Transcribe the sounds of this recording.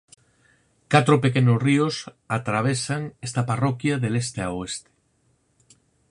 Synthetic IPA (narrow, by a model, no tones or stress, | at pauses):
kat̪ɾopekenosrios | at̪ɾaβ̞esaŋest̪aparɔkjaðelest̪eaoest̪e̥